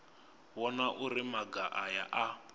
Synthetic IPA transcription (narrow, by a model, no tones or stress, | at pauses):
wɔnaʔurimaɡaʔaja̰ʔa